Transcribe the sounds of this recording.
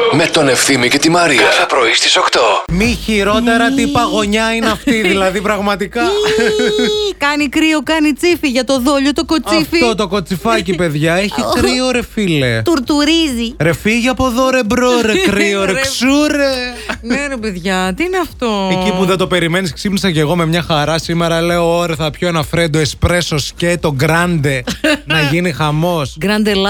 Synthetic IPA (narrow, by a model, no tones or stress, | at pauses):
me̞t̪o̞ne̞fθimicet̪imɐɾiɐɐpɾoist̪isokt̪omiçiɾo̞t̪e̞ɾɐt̪ipɐɣo̞ɲɐineɐft̪iðilɐðipɾɐɣmɐt̪ikɐ | kɐnikɾiokɐnit͡sifiʝɐt̪o̞ðoʎot̪okot͡siɐffiot̪o̞ko̞t͡sifɐcipe̞ðʝɐeçikɾio̞ɾe̞file̞t̪uɾt̪uɾiziɾe̞fiʝiɐpo̞ðo̞ɾe̞bɾoɾekɾioɾeksuɾeneɾepeðʝɐt̪iineɐftt̪oecipuðed̪o̞pe̞ɾime̞nisksipnisɐce̞ɣo̞me̞mɲɐxɐɾɐsimeɾɐle̞ooɾeθɐpçoenɐfɾend̪oespɾe̞so̞scet̪o̞ɡɾɐnd̪e̞nɐʝinixɐmo̞sɡɾɐnd̪elɐ